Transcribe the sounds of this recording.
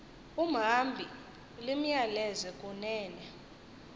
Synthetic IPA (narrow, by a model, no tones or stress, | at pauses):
um̩ɦambʱi | lim̩ɲjalɛzɛkʼunɛːnɛ